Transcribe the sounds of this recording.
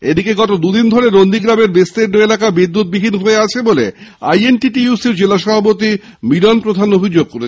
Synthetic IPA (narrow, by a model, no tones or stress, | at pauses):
ed̪ikeɡɔt̪od̪ud̪ind̪ʱoɾeɾond̪iɡɾameɾbest̪eɾnoelakabid̪ːut̪̚bibʱinɦoeat͡ɕʰebolea̰jenʈiʈiusiɾd͡ʑelaʃɔbʱap̬ot̪i | milɔnpɾod̪ʱanobʱid͡ʑoɡ̚koɾe